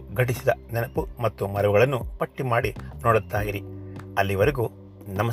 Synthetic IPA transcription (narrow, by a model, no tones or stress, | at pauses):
ɡʱɐʈisid̪ɐnɛnɐpumɐt̪ːumɐɾɐʋuɡɐɭɐnːupɐʈːimaːɽinoːɽut̪ːaːjiɾiɐlːiʋɐɾeɡu | nɐmɐ